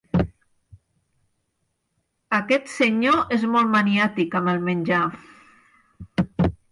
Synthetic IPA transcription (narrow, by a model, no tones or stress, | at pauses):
əkɛt̪səɲoʔezmɔlˠt̪maniat̪ikəməlˠmənʲʒa